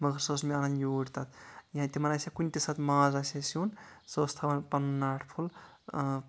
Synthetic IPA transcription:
mɐɡɐɾsosmianɐnjuːɽt̪at̪jɦãt̪imɐnasakunʲt̪isat̪maːzasesunsost̪ʰɐʋɐnpɐnːaːʈʰpʰul

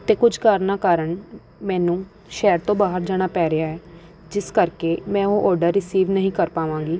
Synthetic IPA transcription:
t̪eːkʊd͡ʒʱkaːɾnaːkaːɾəɳ | mɛ̃ːnũː | ʃɛːɾt̪õːbaːɦəɾd͡ʒaːɽ̃aːpɛːɾeaːɦɛː | d͡ʒɪskəɾkeːmɛ̃ːõːʔɔːɖəɾːɪsiːʋnəɦĩːkəɾpaːʋãːɡiː

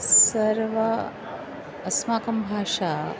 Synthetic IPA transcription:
səɾʋə | smaːkɐmbʱaːʂa

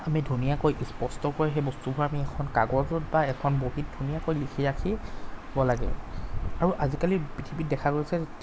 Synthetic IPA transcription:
amidʱunijakojʔispɔstɔkɔɹiɦejbɔstubʱɔɹamiɛkʰɔnkaɡɔɹtʊt̚baɛkʰɔnboɦit̚dʱunijakojlikʰiɹakʰibɔlaɡɛ̰aɹuʔazikalipitʰibit̚dɛkʰakoɹisɛ

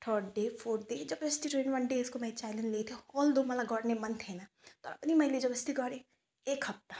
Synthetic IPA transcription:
t̪ʰəːɾɖɖeːpʰoːɾɖ̪ed͡ʒɐbɐst̪iʈɾẽnʋɐnɖeːɪskomãt͡ʃaːɪlə̃nlet̪ʰeɔːld̪oːmɐlaɡɔːɽnemɐnt̪ʰɦena | t̪ɔ̰ːɾɐ̰pnimajled͡ʒɐbɐst̪iɡɔːɾe | eːkhɐp̚t̪a

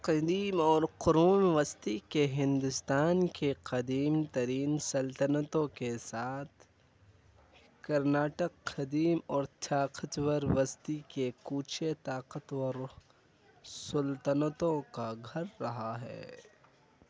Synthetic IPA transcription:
qɐd̪iːmɔːɾqʊɾuːmʋəst̪ikeɦɪ̃nd̪ʊst̪aːnkeqɐd̪iːmt̪ɐɾiːnsɐlt̪ənət̪õkesaːt̪ʰ | kɐɾnaːʈəqːɐd̪iːmɔːɾt̪ʰjaːqət̪wəɾʋɐst̪ikekuːt͡ʃʰet̪aːqət̪əɾ | sɐlt̪ənət̪õkaɡʱɐɾːɐɦaɦɛ̰ː

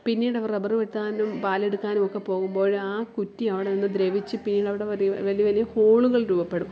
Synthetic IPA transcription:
pinːiːɽɐʋɐrebɐruʋet̪ːaːnumpaːleɽukːaːnumokːe̞po̞ːɣumbo̞ːɻaːkutːiɐʋiɽeninːɨd̪ɾeʋit͡ɕːɨpinːiːɽɐʋiɽeʋɐʋɐlijɐʋɐlijɐhoːɭuɣɐɭɾuːbɐpːe̞ɽum

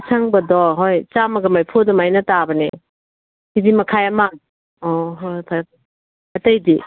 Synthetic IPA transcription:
sʰaŋbɐdɔɦojt͡ʃamɐɡɐmajpʰodɔmajnɐtabɐnḛ | hidimɐkʰajɐma | ɔɦojtʰaj | ɐtɐjdi

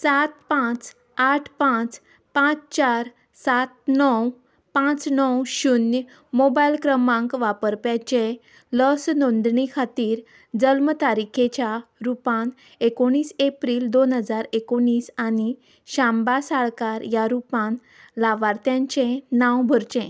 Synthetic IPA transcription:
sat̪pãt͡s | aʈʰpãt͡s | pãt͡st͡ɕaɾ | sat̪̚nɔw | pãt͡snɔwɕunj | mobajlkɾəmãŋkʋapəɾpjat͡ɕe | ləsnond̪ɳikʰat̪iːɾ | d͡zəlmt̪aɾikʰet͡ɕjaɾupãn | ekoɽ̃iːsepɾiːld̪onɦəd͡zaɾekoɳ̃iːsani | ɕãmbasaɭkaɾjaɾupãn | laʋaɾt̪jãɲt͡ɕẽnãwbʱəɾt͡ɕẽ

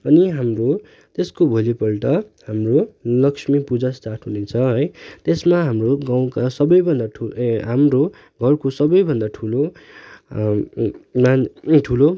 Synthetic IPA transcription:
ʌniɦamro | t̪eskobʱolipʌlʈʌhamrolʌksmipud͡zasʈaʈɦunet͡sʰʌɦʌjt̪esmaɦamroɡãw̃kasʌbʌjbʱʌnd̪aʈʰuɦamro | ɡʱʌrkosʌbʌjbʱʌnd̪aʈʰulo | manʈʰulo

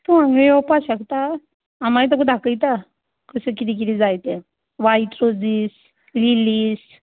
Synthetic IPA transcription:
t̪uãŋɡəjɔpaɕəkt̪a | amait̪əkud̪ʱakəjt̪a | kəsəkit̪ik̬it̪iːd͡zajt̪ẽ | ʋaiʈɾod͡ziːs | liliːs

